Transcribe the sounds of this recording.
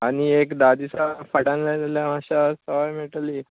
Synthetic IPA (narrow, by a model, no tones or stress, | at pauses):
aɽ̃iekd̪ad̪isafəɽãnlad̪eljamaɕasəʋajmiʈliː